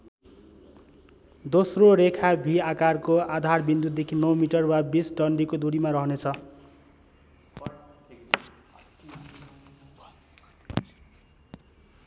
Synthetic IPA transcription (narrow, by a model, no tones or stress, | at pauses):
d̪osroɾekʰabʱiakarkoad̪ʱarbind̪ud̪̚d̪ekʰinʌwmiʈʌrwabisʈʌɳɖikod̪uɾimaɾʌɦʌnet͡sʰʌ